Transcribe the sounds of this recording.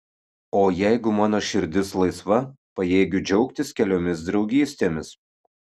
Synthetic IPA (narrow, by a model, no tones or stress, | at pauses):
oːjæɪɡʊmɑːnoːʃʲɪɾʲd̪ʲɪslˠɐɪsʋɐ | pɐjeːɡʲʊd͡ʒʲɛʊkt̪ʲɪskʲɛlʲoːmʲɪs̬d̪ɾɒʊɡʲiːsʲt̪ʲeːmʲɪs